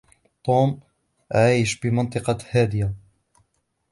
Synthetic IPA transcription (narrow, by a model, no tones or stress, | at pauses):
t̪ˤuːm | ʔaʕiːʃbɪmɑnt̪ˤɨqɑhaːd̪ɪja